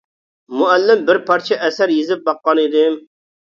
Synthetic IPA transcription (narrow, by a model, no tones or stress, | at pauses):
mʊælːɪmbɪɾpʰɑɾt͡ʃʰɛʔɛsæɾjezɪp̚bɑqːɑnɪd̪ɪm